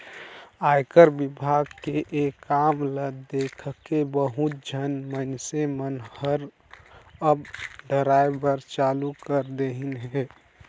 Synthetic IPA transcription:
aːjkəɾbɪbʱaɡkeʔekːamləd̪ekʰkebəɦut̪̚d͡ʒʱənmənsemənhəɾ | əbɖʱəɾaebəɾt͡ʃaːlukəɾd̪eɦinɦe

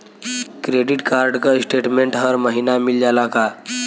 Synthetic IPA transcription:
kɾeɖiʈkaɾɖkəsʈeʈmeɳʈɦəɾməɦinamild͡ʒalaka

